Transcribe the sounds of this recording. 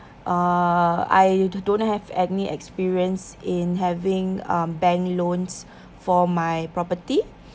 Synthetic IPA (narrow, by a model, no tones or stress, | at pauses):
ʔa | a̰jdõnhɛvɛniʔɛkspiɹiə̃nsɪ̃nɦɛvɪ̃ŋãmbɛ̃ŋlõns | fɔmajpɹɔpəti